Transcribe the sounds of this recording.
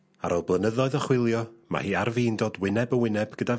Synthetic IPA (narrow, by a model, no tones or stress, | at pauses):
a̰ɾʔolˠblˠənəðɔɨðəχwɪlˠjɔma̰hiːarviːndoːdwɪnɛbəwɪnɛbɡ̥əda